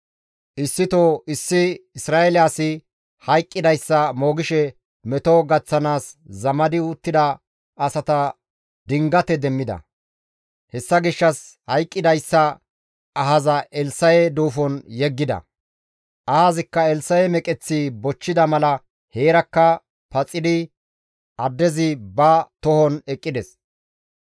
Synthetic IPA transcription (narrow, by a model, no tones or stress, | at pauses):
ʔɪsːɪt̪oɪsːɪɪsɾaːɛljaːsɪ | hɐjkʼːɪd̪ɐjsːɐmo̞ːɡɪʃɛ | mɛt̪oɡɐt͡sːɐnaːszɐmɐd̪ɪʊt̪ːɪd̪ɐ | ɐsɐt̪ɐ | d̪ɪŋɡɐt̪ɛd̪ɛmːɪd̪ɐ̰ | hɛsːɐɡɪʃːɐs | hɐjkʼːɪd̪ɐjsːɐ | ɐɦɐzɐʔɛlsɐjɛd̪uːfɔnjɛɡːɪd̪ɐ̰ | ʔɐhazɪkːɐɛlsɐjɛmɛkʼɛt͡sːibɔt͡ʃːɪd̪ɐmɐlɐ | heːɾɐkːɐ | pɐt͡sʼːɪd̪ɪ | ʔɐd̪ːɛzɪbɐt̪ɔhɔnɛkʼːɪd̪ɛs